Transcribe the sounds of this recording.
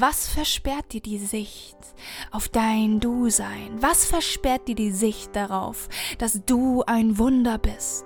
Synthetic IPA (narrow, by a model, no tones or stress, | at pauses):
vasfɛɐʃpɛɐt̚d̥iːɐdiːzɪçt | ʔaʊfd̥aɪnduːzaɪnvasfɛɐʃpɛɐt̚d̥iːɐdiːzɪçt̚d̥aʁaʊfd̥asd̥uːaɪnvʊndɐbɪst